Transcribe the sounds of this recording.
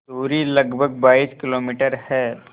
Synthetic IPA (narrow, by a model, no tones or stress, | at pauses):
t̪uːɾilɐɡbʱəɡ̚baːiːskɪloːmiːʈəɾhɛː